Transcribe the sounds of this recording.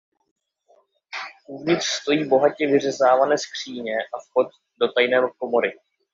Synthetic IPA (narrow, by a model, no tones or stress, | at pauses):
ʔuvɲɪt̪r̥st̪o̞jiːbo̞ɦacɛvɪr̝ɛzaːvanɛːskr̝̥iːɲɛʔafko̞t̪̚ | do̞t̪ajnɛːmko̞mo̞ɾɪ